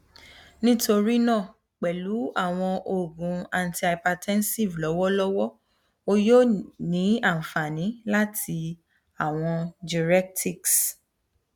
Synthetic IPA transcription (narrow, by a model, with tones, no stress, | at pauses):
nĩ˦to˧ɾi˦nãː˦˨ | k͡pɛ˨lu˨˦a˦˨w̃ɔ̃˧ʔo˨ɡũ˨˦a˨n˨ti˨˧a˨pa˧tʰɛ̃˦n˦si˦˨vlɔ˨˦wɔ˦lɔ˦wɔ˦ | o˧jo˦˨nĩ˨˦a˦˨fa˨nĩ˨˦la˦tʰi˧ | a˦˨w̃ɔ̃˧d͡ʒi˨ɾɛ˦k̚tʰi˦˨ks